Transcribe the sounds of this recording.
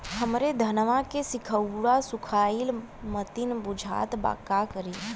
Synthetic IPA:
həmɾed̪ʱənʋãkesɪkʰəwɽasʊkʰaːil | mət̪inbʊd͡ʒʱa̰ːt̪ba̰kakəɾi

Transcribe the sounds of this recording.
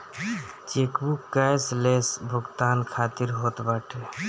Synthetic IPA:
t͡ʃekbukːajslesbʱuɡt̪ankʰat̪iɾɦot̪baʈʰe

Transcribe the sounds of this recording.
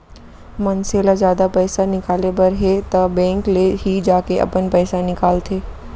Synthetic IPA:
mɐnseːlazjaːd̪apɛːsanɪkaːlebɐɾɦet̪ɐbɛ̃ːŋkleɦid͡ʒaːkeʔɐ̰pənpɛːsanɪkaːlt̪ʰeː

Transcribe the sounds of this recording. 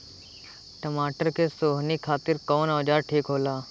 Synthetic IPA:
ʈəmaːʈəɾkesoːɦnikʰaːt̪ɪɾkɔːnɔːd͡ʒaːɾʈʰiːkɦoːlaː

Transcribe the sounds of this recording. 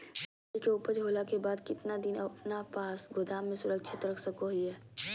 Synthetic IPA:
ikeupəɾd͡ʒɦoːlakebaːd̪kɪt̪nad̪ɪnɐpnapaːsɡʊd̪aːmːẽsʊɾəkʃʰɪt̪ɾɐkʰsəkoɦiɦɛː

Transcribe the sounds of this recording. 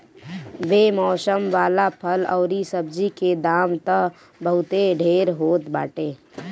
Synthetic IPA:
beːmɔːsəmʋaːlapʰəlɔːɾisəb̚d͡ʒiked̪aːmt̪əɦ | bəɦʊt̪eɖʱeːɾɦoːt̪ba̰ːʈeː

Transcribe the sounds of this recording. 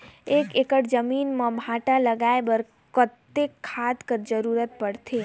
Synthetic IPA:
ekekəʈd͡ʒəminmə̃bʱaʈaləɡaebəɾ | kət̪ːekʰːad̪kəɾd͡ʒəɾuɾət̪̚pəɽt̪ʰe

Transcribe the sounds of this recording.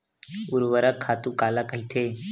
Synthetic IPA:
ʊɾʋəɾəkʰːaːt̪uːkaːlakəɦit̪ʰeː

